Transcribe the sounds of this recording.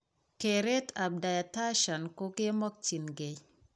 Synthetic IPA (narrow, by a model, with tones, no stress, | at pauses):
ke˨ɾe˦ta˨b̚da˨ja˨ta˦ʃa˨nko˦ke˦mɔ˦k̚ti˨nɡe˨